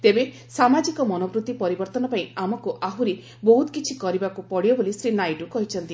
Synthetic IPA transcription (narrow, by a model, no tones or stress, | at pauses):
t̪ebe | samad͡ʒikɔmɔnɔpɾut̪ːipɔɾibɔɾt̪ɔnɔpaĩamɔkuʔaɦuɾi | bɔɦut̪kit͡ʃʰikɔɾibakupɔɽijɔbolisɾinajʈukɔɦit͡ʃʰɔnt̪i